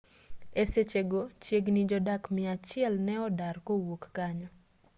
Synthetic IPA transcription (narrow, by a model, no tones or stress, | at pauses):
eset͡ʃeɡot͡ʃjeɡnid͡ʒɔdakmɪat͡ʃɪɛlnɛɔdarkowokːaɲɔ